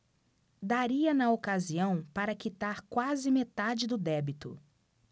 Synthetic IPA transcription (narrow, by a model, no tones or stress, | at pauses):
d̪aɾiɐnɐokaziɐ̃w̃paɾɐkit̪aɾkwazɪmet̪ad͡ʒɪd̪ʊd̪ɛbit̪ʊ̰